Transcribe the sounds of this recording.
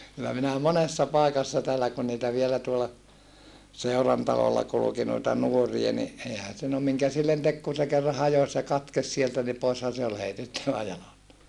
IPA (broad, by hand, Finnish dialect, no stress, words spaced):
kylːæ minæ monesːɑ pɑˑikɑsːɑ tæːlːæ kun niːtæ ʋielæ tuolɑ seurɑntɑlolːɑ kuluki noitɑ nuoriɑ ni eihæn̞ se no miŋkæ silːen tek kun̞ se kerːɑ hɑjos jɑ kɑtkes sieltæ ni poishɑn̞ se ol heitetːæʋæ jɑlɑstɑ